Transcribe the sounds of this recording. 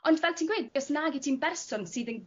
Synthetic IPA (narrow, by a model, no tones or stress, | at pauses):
ɔndvɛlˠtʰiːnɡweːd̚ɔsnaːɡɪtʰinbɛrsɔnsɨːðən